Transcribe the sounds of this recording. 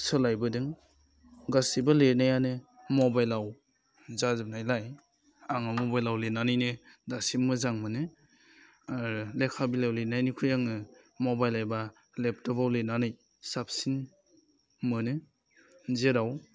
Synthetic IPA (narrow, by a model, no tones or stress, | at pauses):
sɯlajbɯdɯŋ | ɡasibalenajanɯ | mɔbajlaw | zazɯp̚najlaj | aŋamɔbajlawlenanɯjnɯdasimmɯzaŋmɯnɯ | aɾlekʰabilawlenajnikʰɯjaŋnɯ | mɔbajlajba | lep̚tɔbawlenanɯj | sap̚sin | mɯnɯ | zeɾaw